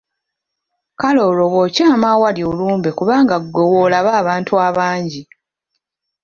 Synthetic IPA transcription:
kalo̞ːlo̞wocaːmaːwaljoluːmbekuβaːŋɡaɡːewoːlaβaːβaːntʰuaβaːɲɟi

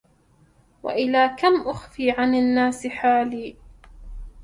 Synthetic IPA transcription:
wa̰ʔɪlaːkamʔʊxfiːʕananːaːsɪħaːliː

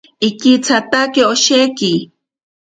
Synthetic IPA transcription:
ikit͡sʰat̪akeoʃeki

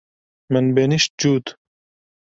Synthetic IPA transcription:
mənbeniʃt̪̚d͡ʒuːt̪

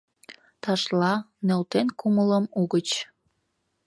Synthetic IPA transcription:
t̪ɑʃlɑ | nelt̪enkumələmuɣət͡ɕ

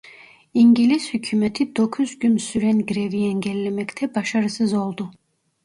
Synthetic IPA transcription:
iɲɟilʲizhycʰyːmet̪ʰid̪o̞kʰuzɟynsyɾɛnɡiɾeviɛnɟɛlʲːemɛct̪ʰɛbaʃaɾɯsɯzo̞lˠd̪u

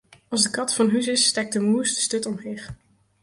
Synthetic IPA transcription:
ɑlˠzdəkɑtfɑnɦysɪsːtɛk̚dəmustə̥støtɔmɦeːχ

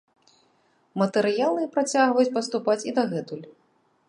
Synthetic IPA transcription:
mɐt̪ɨɾɨjalˠɨpɾat͡sʲaɣvɐjut͡sʲpɐst̪upat͡sʲid̪ɐɣɛt̪ulʲ

